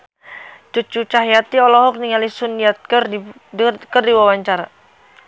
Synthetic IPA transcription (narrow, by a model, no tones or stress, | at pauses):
t͡ʃut͡ʃut͡ʃaɦjat̪iɔlɔɦɔk̚niŋalisuniat̪̚kr | kərdiwawaɲt͡ʃaɾa